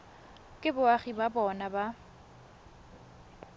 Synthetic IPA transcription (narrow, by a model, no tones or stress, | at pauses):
kʼɪbʊaχibabɔnaba